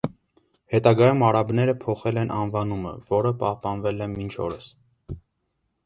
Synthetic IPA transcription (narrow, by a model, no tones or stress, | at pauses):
hɛt̪ɑɡɑjumɑɾɑbnɛɾəpʰɔχɛlɛnʔɑnvɑnumə̰vɔɾəpɑhpɑnvɛlɛmint͡ʃʰɔ̰ɾəs